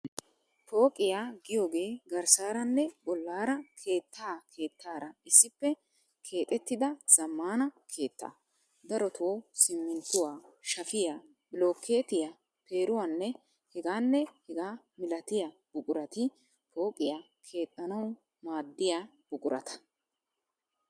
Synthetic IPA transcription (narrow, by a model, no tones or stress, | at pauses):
po̞ːkʼɪjaːɡɪjo̞ːɡe̞ːɡɐɾsaːɾɐnːɛbɔlːaːɾɐkʰe̞ːt̪ʰːaːkʰe̞ːt̪ːaːɾɐɪsːɪpːɛ | kʰe̞ːt̪ʼɛt̪ːɪd̪ɐz̥ɐmːaːnɐkʰe̞ːt̪ːa̰ː | d̪ɐɾɔt̪ʰoːsɪmːɪnt̪ːʊwaːʃɐfɪjaː | bɪlo̞ːkːe̞ːt̪ɪja | pe̞ːɾʊwanːɛ | hɛɡaːnːɛhɛɡaː | mɪlɐt̪ɪja | bʊkʼʊɾɐt̪ɪ | pʰo̞ːkʼːɪjaː | kʰe̞ːt̪ʼːɐnɐw | maːd̪ːɪjaː | b̥ʊkʼʊɾɐ̰t̪ɐ̥